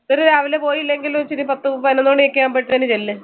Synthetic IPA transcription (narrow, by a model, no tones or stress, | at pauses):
oɾuɾaːʋilepo̞ːjilːe̞ŋɡilumt͡ɕiɾipɐt̪ːɨpɐnenːuoɳɖɨekːɐjaːmpeʈːɨɐnɨt͡ɕelːɨ